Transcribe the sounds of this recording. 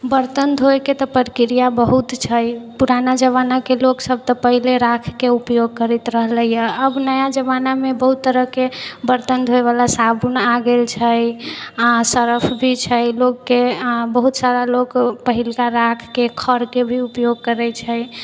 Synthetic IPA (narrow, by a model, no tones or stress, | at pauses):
bəɾt̪ənd̪ʱojket̪ɔpəɾkiɾijabəɦut̪t͡ʃʰəjpuɾanad͡ʒəβanakeloksəb̚ʱt̪ɔpəɦileɾakʰkeupjoɡ̚kəɾit̪ɾəɦləijəəbnəjad͡ʒəβanamebəɦut̪ːəɾəɦkebəɾt̪ənd̪ʱɦoeβalasabunaɡelt͡ʃʰəjasəɾəpʰbʱit͡ʃʰəjlokːebəɦut̪saɾalokpəɦilkaɾakʰkekʰəɾkebʱiupjoɡ̚kəɾɛt͡ʃʰəj